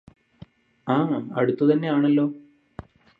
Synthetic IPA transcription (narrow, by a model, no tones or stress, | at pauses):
aːɐ̰ɽut̪ːut̪ɐnːe̞aːɳɐlːo̞ː